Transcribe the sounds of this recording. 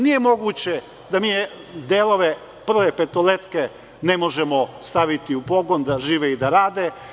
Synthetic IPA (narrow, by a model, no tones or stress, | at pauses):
nije̞mo̞ɡuːt͡ɕe̞ | d̪amiː | d̪elˠo̞ʋe | pr̩ʋepet̪olet̪ke | ne̞mo̞ʒemost̪aʋit̪iupo̞ɡo̞nd̪aʒiːʋeid̪aɾaːd̪e